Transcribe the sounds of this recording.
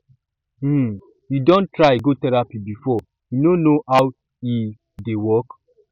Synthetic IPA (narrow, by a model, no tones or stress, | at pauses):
m̩ | judɔ̃ntɹaɪɡotɛɹapibifɔ | junonoaw | i | dewɔk